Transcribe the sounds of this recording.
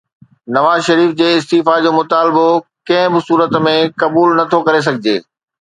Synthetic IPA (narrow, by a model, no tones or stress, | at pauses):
nɐʋaːzʃɐɾiːfd͡ʑeːɪst̪iːfad͡ʑoːmʊt̪aːlbokɐ̃ɦɪ̃bɪsuːɾət̪mẽkɐbuːlnɐt̪ʰokɐɾes̬ɐɡʱɪd͡ʑeː